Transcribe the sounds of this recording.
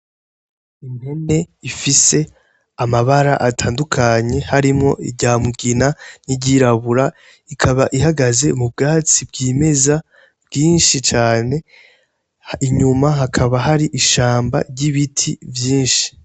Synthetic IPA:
imhe̞ne̞ifise̞ | amaβaɾa̰ʔatʰaːndukʰaɲe̞haɾimŋo̞ʔḭɟaːmuɡinaniɟiɾaβuɾa | ikʰaβaʔiɦaɡaze̞mub̚ɡaːt͡sibɡiːme̞za | b̥ɡiːnʃit͡ʃaːne̞ | iɲumaɦakʰaβaɦaɾiʔiʃaːmba̰ɾɟiβitʰivjiːnʃi̥

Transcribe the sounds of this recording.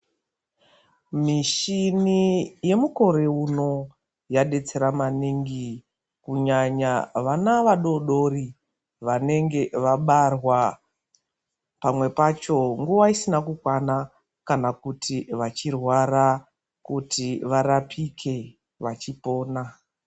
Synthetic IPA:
miʃinije̞muko̞ɾe̞uno̞ | jaɗe̞t͡se̞ɾamaniŋɡi | kuɲaɲaʋanaʋaɗo̞ɗo̞ri | ʋane̞ŋɡe̞ʋaɓarwa | pamwe̞pat͡ʃo̞ŋɡuʋaisinakukwana | kanakutʰiʋat͡ʃirwaɾa | kutiʋaɾapʰikʰe̞ | ʋat͡ʃipo̞ːna

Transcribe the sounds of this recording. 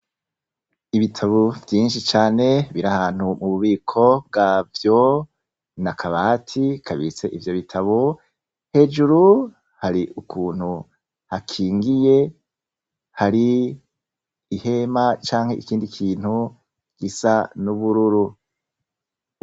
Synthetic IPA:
iβitʰaβovjiːnʃit͡ʃaːne̞βiɾahaːn̥humuβuβiːkʰo̞b̚ɡavjo̞ | nakʰaβaːtʰikʰaβit͡se̞ʔivjo̞βitʰaβo | he̞d͡ʒuɾu | haɾiʔukʰuːn̥hu | hakʰiːŋɡije̞ | haɾi | he̞mat͡ʃaːŋhe̞ʔikiːndikʰiːnhu | ɡ̥isanuβuɾuɾu

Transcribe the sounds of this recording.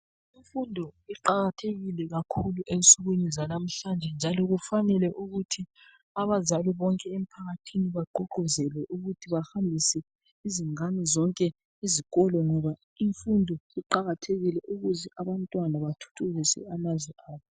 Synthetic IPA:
iɱfundʱɔiǃaɣatʰeɣilɛɣakʰuluʔensʼuɣwinizalam̩ɬand͡ʒʱɛnd͡ʒʱalɔɣufanɛlɛʔuɣutʰi | aβazaliβɔŋkʼɛem̩pʰaɣatʰiniβaɡ͡ǃʱɔǃʱɔzɛlɛʔuɣutʰiβahambʱisɛ | iziŋanizɔŋkʼɛ | iziɣɔlɔŋɔβa | iɱfundʱɔiǃaɣatʰeɣilɛʔuɣuzɛʔaβantʼwanaβatʰu̥tʰuɣisɛ̰amazwɛʔaːβɔ

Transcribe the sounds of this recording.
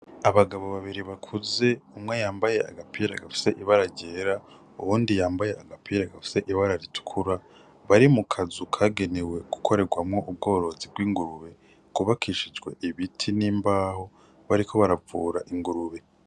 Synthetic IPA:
aβaɡaβo̞βaβiɾiβakʰuze̞umŋe̞jaːmbaje̞a̰ɡapʰiːɾaɡafi̥se̞ʔiβaɾaɾɟe̞ːɾa | uβuːndijaːmbaje̞aɡapʰiːɾaɡafi̥se̞ʔiβaɾaɾitu̥kʰuɾa | βaɾimukʰazukʰaːɡe̞ne̞we̞ɡu̥kʰo̞ɾe̞ɡwamŋo̞ub̚ɡo̞ːɾo̞zibɡwiːŋɡuɾuβe̞ | kuβakʰiʃid͡ʒɡwe̞̰ʔiβitʰiniːmbaːho̞ | βaɾikʰo̞βaɾavuːɾaʔiŋɡuɾuβe̞

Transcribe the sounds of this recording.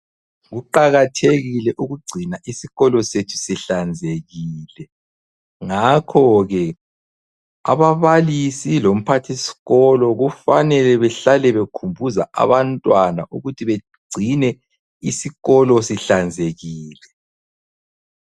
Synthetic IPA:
ɣuǃaɣatʰeɣilɛʔuɣuɡ͡ǀʱinaʔisiɣɔlɔsetʰu̥siɬand͡zʱeɣiːlɛ | ŋakʰɔɣɛ | a̰βaβalisilom̩pʰatʰisi̥ɣɔlɔɣufanɛlɛβɛɬalɛβekʰumbʱuzaa̰βantʼwana̰ʔuɣutʰiβe | ɡ͡ǀʱinɛ | isiɣɔlɔsiɬand͡zʱeɣiːlɛ

